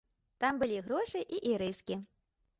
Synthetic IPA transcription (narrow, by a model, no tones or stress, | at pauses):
t̪ambɨlʲiɣɾɔʂɨʔiʔiɾɨskʲi